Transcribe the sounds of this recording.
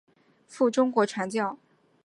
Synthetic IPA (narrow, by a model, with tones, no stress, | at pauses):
fu˥˩ʈ͡ʂʊ˥ŋkwɔ˧˥ʈ͡ʂʰwa˧˥nt͡ɕjɑ˥˩ʊ